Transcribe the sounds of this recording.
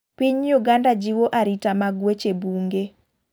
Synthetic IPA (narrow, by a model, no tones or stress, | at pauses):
piɲjuɡandad͡ʒiwoʔaɾitamaɡwet͡ʃebuŋɡe